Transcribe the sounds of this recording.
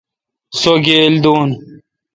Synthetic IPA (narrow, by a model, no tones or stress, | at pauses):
soɡeːld̪oːn